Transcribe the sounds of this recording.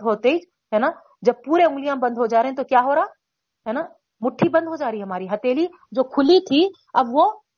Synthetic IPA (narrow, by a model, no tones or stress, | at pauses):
ɦot̪ed͡ʒ | ɦɛːna | d͡ʒɐb̚puːɾeʊ̃ŋɡlijãmbɐ̃nd̪ʱɦod͡ʒaːɾeɦẽt̪okjaːɦoːɾaː | ɦɛːna | mʊʈʰːibɐ̃nd̪ʱɦod͡ʒaːɾiɦɐmaːɾiɦɐt̪eːli | d͡ʒoːkʰʊlit̪ʰi | ɐbʋo